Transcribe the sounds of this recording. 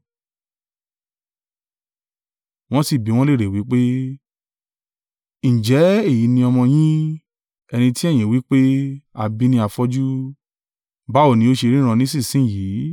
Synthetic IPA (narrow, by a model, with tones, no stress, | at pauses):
w̃ɔ̃˦si˨bi˨˦w̃ɔ̃˦le˦˨ɾe˨wi˨˦k͡pe˦ | ñ̩˨d͡ʒɛ˨˦e˦˨ji˨˦nĩ˧ɔ˧mɔ̃˧j̃ĩ˦ | ɛ˧nĩ˧ti˦ɛ˦˨j̃ĩ˨wi˨˦k͡pe˦a˧˨bi˦˧nĩ˧˦a˧fɔ˦d͡ʒu˦ | ba˦o˦˨nĩ˧˦o˦ʃe˧ɾĩ˦ã˧nĩ˦sĩ˦˨sĩ˨˦˨jiː˨˦